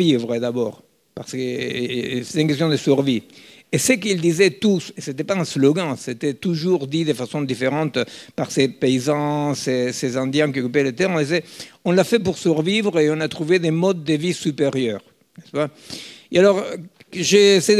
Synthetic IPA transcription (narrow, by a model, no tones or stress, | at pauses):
ivʁəd̪abɔ̰ʁ | paʁsəkə | se̥t̪eynkest̪jɔ̃d̪əsyʁvi | esəkild̪izɛt̪useset̪ɛpaɛ̃sloɡɑ̃set̪ɛt̪uʒuʁd̪id̪efasɔ̃d̪ifeʁɑ̃t̪paʁsepeizɑ̃sesezɑ̃d̪jɛ̃kiokyp̬elet̪ɛʁɔ̃nd̪izɛɔ̃lafɛp̬uʁsyʁvivʁeɔ̃nat̪ʁuved̪emɔd̪̚ːəvisypeʁjœʁ | nɛspa | ealɔʁ | ʒesɛ